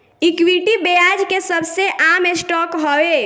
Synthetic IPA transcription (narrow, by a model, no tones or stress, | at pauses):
ikwiʈibejad͡ʒkesəbʱseʔamesʈɔkɦɔwe